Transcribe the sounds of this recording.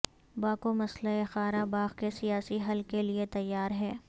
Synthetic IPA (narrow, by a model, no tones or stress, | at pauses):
baːkomɐsləexaːɾabaːɣkesijaːsiɦɐlkeliet̪ɐjːaːɾɦɛː